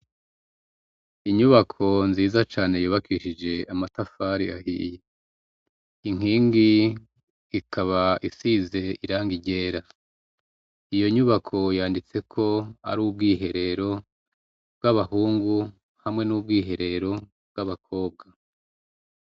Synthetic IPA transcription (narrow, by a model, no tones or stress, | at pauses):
iɲuβakʰo̞nziːzat͡ʃaːne̞juːβakiʃid͡ʒe̞amatafaɾia̰hḭːje | iŋ̥iːŋɡiː | kʰaβaisize̞iɾaːŋɡiɟe̞ːɾa | ijo̞ɲuβakʰo̞jaːndit͡se̞kʰo̞a̰ɾuːbɡiːɦe̞ɾe̞ɾo̞ | b̚ɡaβahuːŋɡu | hamŋe̞nub̚ɡiːɦe̞ɾe̞ɾo̞ | bɡaβakʰo̞ːb̚ɡa